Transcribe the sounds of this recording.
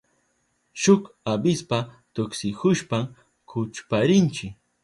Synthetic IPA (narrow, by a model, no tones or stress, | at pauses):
ʃʊk | abɪspa | t̪ʊksɪhʊʃpa | kʰʊt͡ʃpaɾɪnt͡ʃɪk